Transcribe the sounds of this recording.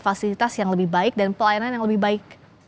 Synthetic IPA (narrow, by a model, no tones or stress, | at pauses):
fasilit̪asjaŋləbɪhbaɪk̚danpəlajananjaŋləbɪhbaɪk̚